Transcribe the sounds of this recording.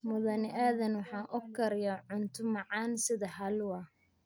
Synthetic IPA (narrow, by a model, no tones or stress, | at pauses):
mʊðɐnɪʔaːðɐnwɑħɑːʔɔɡ̚kʰɐɾɪjɐʕʊnt̪ʰʊmɑʕɑːnsɪðɐɦɐlwɐ